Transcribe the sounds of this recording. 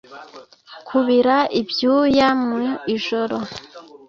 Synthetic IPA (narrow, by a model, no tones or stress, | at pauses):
kʰuβiɾaibjuːjamuiiʒo̞ɾo